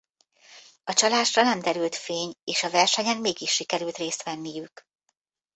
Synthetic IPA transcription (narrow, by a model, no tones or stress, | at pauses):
ɒt͡ʃɒlaːʃrɒnɛmd̪ɛɾylt̪feːɲeːʃɒvɛrʃɛɲɛnmeːɡiʃːikɛɾylt̪reːst̪ʋɛnːijyk